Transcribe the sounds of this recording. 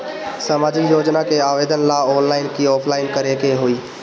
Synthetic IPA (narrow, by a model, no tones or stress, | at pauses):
saːmaːd͡ʒɪkjoːd͡ʒnakeaːʋed̪ənlaɔːnlaːɪnkiɔːpʰlaːɪnkəɾekeɦoːiː